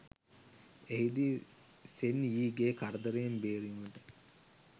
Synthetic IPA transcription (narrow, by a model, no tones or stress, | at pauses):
eɦid̪i | seniːɡeːkaɾəd̪əɾejembeːɾiməʈə